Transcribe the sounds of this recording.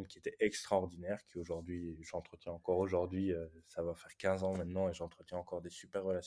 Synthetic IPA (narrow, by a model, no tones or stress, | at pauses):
mkʲiet̪ɛʔɛkst̪χaɔʁd̪inɛʁkʲʰioʒuʁd̪ɥiʒɑ̃t̪χət̪jɛ̃ɑ̃kɔʁoʒuʁd̪ɥiøsavafɛʁkʲɛ̃zɑ̃mɛ̃t̪nɑ̃eʒɑ̃t̪χət̪jɛ̃ɑ̃kɔʁd̪esypɛʁːəlas